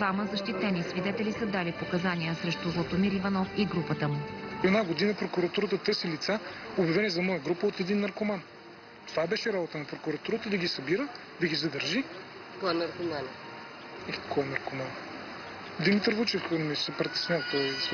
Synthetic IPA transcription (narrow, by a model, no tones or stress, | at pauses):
d̪vaməzɐʃt̪it̪ɛnisvid̪ɛt̪ɛlisəd̪alipokɐzanijəsɾɛʃt̪uzlˠot̪omiɾivɐnɔfiɡɾupət̪əmuɛd̪naɡod̪inəpɾokuɾɐt̪uɾət̪ət̪ɤɾsilit̪saobjɐvɛnɛzɐmɔjəɡɾupəot̪id̪inːɐɾkoman | t̪ovabɛʃɛɾabot̪ənɐpɾokuɾɐt̪uɾət̪əd̪ɐɡʲisɐbiɾə | d̪ɐɡizɐd̪əɾʒi | kɔɛnɐɾkoman | ikʰɔɛnɐɾkoman | d̪imit̪əɾvut͡ʃɛfmisəpɾɛt̪ɛ̥snʲalˠt̪ɔjs